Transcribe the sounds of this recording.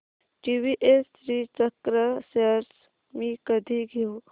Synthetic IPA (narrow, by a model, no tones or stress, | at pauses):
ʈiʋiʔestɾiːt͡ʃəkɾəseɾs | mikəd̪ʱiɡʱiu